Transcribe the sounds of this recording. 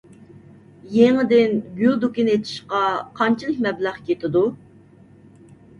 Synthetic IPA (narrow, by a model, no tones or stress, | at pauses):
jeŋɪd̪ɪnɡʲyld̪ukʲinet̪ʰɪ̥ʃqɑqʰɑnt͡ʃʰilˠək̚ʲmɛblæχkʲʰet̪ʰɪd̪u